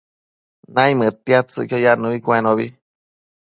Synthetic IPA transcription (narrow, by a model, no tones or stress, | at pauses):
nãjmɨt̪ːjat̪t͡sɨ̰kojanuβikwenoβi